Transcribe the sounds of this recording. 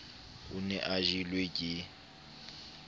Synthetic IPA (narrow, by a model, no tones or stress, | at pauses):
ʊnɛ̰ʔaʒilwekʼɪ